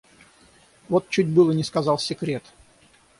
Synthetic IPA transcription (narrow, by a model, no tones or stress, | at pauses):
vot̪̚t͡ɕːutʲbɨlˠənʲɪskɐzɑlˠsʲɪkɾʲe̞t̪